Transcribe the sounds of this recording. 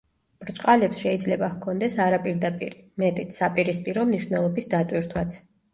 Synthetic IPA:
b̥ɾt͡ʃʼqʼalɛpsʃɛid̪zlɛbahkʰɔnd̪ɛsaɾapʼiɾd̪apʼḭɾimɛt̪ʼit̪ʰsapʼiɾispʼiɾɔmniʃwnɛlˠɔbisd̪at̪ʼwiɾt̪ʰwat̪sʰ

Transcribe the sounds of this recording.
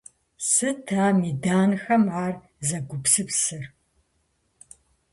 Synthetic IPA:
sɨtʰaːmiːdaːnxɐmʕaːr | zɐɡʷʊpsɨpsɨr

